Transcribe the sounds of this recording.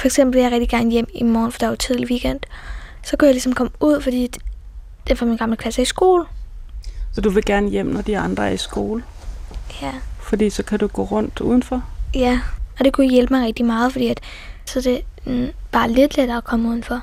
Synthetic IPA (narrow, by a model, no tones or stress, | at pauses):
fɒ̽eɡ̥sem̰b̥l̩jɑ̈ʁɛɡ̥̚d̥iɡ̥æɐnəjem̰imɒːnfɒd̥ɑt͡sʰið̰ˠliʋiɡ̥en̰d̥ | sɒ̽kujalisɒ̽mkʰɒ̽muð̞̰ˠfɒ̽d̥ḭ̥ː | d̥enfɑminɡ̥ɑ̈mləkʰlæsɐisɡ̥o̝ːlə | sɒd̥uʋe̝ɡ̥æɐnəjem̰nɒd̥iɑ̈nd̥ʁɐæɐisɡ̥o̝ːləjæfɒd̥ḭːsɒ̽kʰæd̥uɡ̥o̰ːʁɔ̽n̰d̥uð̞ˠn̩fɒjæɒ̽d̥e̝kʰujjelb̥mɑ̈ɪʁɛɡ̥̚d̥imɑ̈ːð̞̩ˠfɒd̥ḭːæd̥ | sɒ̽ɐd̥e̝ | b̥ɑ̈ːle̝d̥led̥ɐːkʰɒ̽muð̞ˠn̩fɒ̽